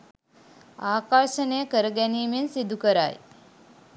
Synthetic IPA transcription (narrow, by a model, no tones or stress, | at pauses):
aːkaɾʃənejəkəɾəɡɛniːmensid̪ukəɾa̰j